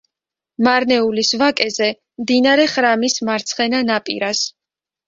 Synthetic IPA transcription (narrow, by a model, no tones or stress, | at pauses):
maɾnɛulisvakʼɛzɛ | md̪inaɾɛχɾamismaɾt̪sʰχɛnanapʼḭɾas